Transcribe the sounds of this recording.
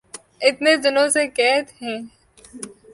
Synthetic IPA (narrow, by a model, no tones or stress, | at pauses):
ɪt̪ned̪ɪnõsekɛːt̪ɦɛ̃ː